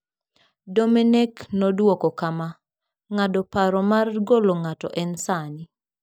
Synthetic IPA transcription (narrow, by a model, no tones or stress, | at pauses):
domenɛknɔdwɔkɔkama | ŋadɔpaɾɔmarɡolɔŋatɔ̰ʔɛnsani